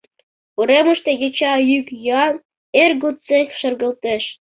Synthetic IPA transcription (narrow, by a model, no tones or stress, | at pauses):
uɾemə̆ʃt̪ĕjet͡ɕɑjykjɑn | erɡut͡sekʲʃə̆rɣə̆lt̪eʃ